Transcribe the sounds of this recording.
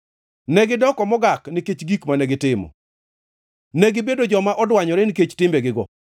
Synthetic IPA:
nɛɡɪdɔkɔmɔɡakniket͡ʃɡikmanɛɡɪtɪmɔ̰ | nɛɡɪbedod͡ʒɔmaʔɔdwaɲɔɾɛniket͡ʃtɪmbeɡɪɡɔ̰

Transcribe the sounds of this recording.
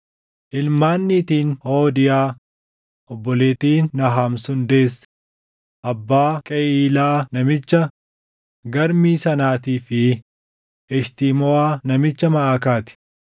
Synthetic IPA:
ʔɪlmaːnːiːt̪iːnho̞ːd̪ɪjaː | ʔɔbːɔle̞ːt̪iːnːɐɦaːmsʊnd̪eːs | ʔɐbːaːkʼɛʔiːlaːnɐmɪt͡ʃːɐ | ɡɐɾmiːsɐnaːt̪iːfɪ | ɛʃt̪iːmɔaːnɐmɪt͡ʃːɐmɐʔaːkaːt̪ɪ̥

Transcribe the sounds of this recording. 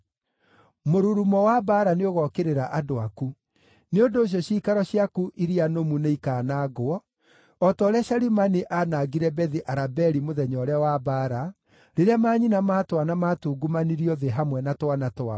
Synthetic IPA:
moɾuɾumɔwabaːɾaneoɣɔkeɾeɾaʔadoaku | neondoːɕ̬jɔɕiːkaɾɔɕijakuʔiɾianomuneikaːnaːɡoɔ | ɔtɔɾɛaɕaɾimaniʔanaɡiɾɛbɛðiʔaɾabɛɾimoðɛɲɔɾɛawabaːɾa | ɾeɾeamaːɲinamaːtwanamatuːɡumaniɾiɔðeɦamwɛnatwanatoa

